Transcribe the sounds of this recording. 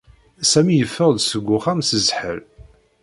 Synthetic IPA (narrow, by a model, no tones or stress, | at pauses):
sæmijəfːəʁd̪səɡʷːʊχæmsəzħə̰ɾ